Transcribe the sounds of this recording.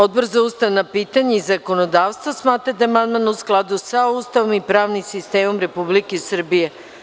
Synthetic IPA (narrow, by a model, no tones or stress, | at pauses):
od̪̚borzaust̪aʋnapiːt̪aɲeizako̞nod̪aːʋst̪ʋosmaːt̪ɾad̪aamand̪manusklˠad̪usaust̪aʋomipɾaːʋnimsist̪eːmo̞mɾe̞publikesr̩bije